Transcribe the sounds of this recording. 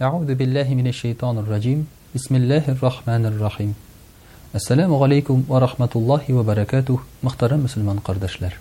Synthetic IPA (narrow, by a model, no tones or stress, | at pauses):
ʔaʕuːðʊbɪlːæːɦɪmɪnæʃːajt̪ʰɑːnɪrˤːɑd͡ʑim | bɪsmɪlːæːɦarˤːɑħmæːnarˤːɑħim | æsːælæmʊʁalajkʊmwɑɾˤɑħmæt̪ʊlˠːɑːɦɪwæbæɾˤɑkæːt̪ʊhmʊ̆χt̪ɑɾɑmːɵsɵ̆lmɑnqɑɾd̪æʃlæɾ